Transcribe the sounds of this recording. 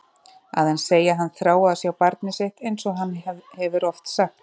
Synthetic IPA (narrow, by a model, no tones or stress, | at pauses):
a̰ðɛnseːjaɦanːθɾaːwaðsjɛawpaɾt̪nɪseht̪ejnsɔɣɦanːhɛvʏɾɔft̪saxt̪